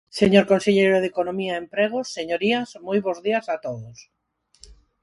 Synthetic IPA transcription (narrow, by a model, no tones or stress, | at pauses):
seɲoɾkonseʎejɾoðekonomiaempɾeɣosːeɲoɾiɐsmojβozðiɐsat̪oðʊs